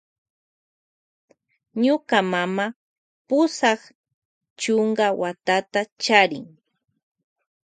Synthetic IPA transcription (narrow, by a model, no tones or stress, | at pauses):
ɲʊkamama | pʊsɑχ | t͡ʃoɴɢawat̪at̪at͡ʃaɾɪ̰ŋ